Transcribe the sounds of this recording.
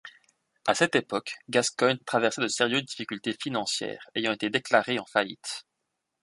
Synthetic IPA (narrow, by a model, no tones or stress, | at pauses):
a̰sɛt̪epɔkɡaskɔnt̪χavɛʁsɛd̪əseʁjøzd̪ifikʲylt̪efinɑ̃sjɛ̰ːʁejɑ̃et̪ed̪eklaʁeɑ̃faḭt̪